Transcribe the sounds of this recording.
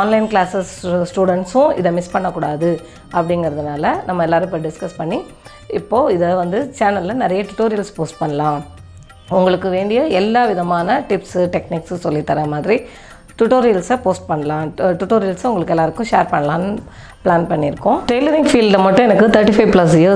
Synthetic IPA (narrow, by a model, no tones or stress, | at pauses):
aːnlɐɪnklaːsɐssʈuːɽɛɳʈsʊ̃ɪ̰ðɐmɪspɐɳːɐkːuːɽaːðɯ | ɐpːɐɽɪŋɡɐɾɐðɯnaːlɐnɐmːɐɛlːaːɾɯpːeːɾɖɪskɐspɐɳːi | ɪpːoːɪðɐʋɐnd̪ɯt͡ʃaːnɐllɐnɪɾɐjɐʈʊʈoːɾɪjɐlspoːsʈ̚pɐɳːɐlãː | ʊŋɡɐɭɯkːɯʋeːɳɖɪjɐɛlːaːʋɪðɐmaːnɐʈɪpsɯʈɛkniːkssɔlːit̪ːɐːɾɐmaːðɪɾi | ʈʊʈoːɾɪjɐlsɐpoːsʈ̚pɐɳːɐlãːʈʊʈːoːɾɪjɐlsɐʊŋɡɐɭɯkːɛlːaːɾɯkːʊ̃ʂeːɾpɐɳːɐlãːnɯ | plaːnpɐɳːɪɾɯkːʊ̃ʈɾeːlɐɾɪŋɡfiːlɖɐmɐʈːʊ̃ɛnɐkːɯt̪ʰɐɾʈifɐɪplɐs̬ɪjɐ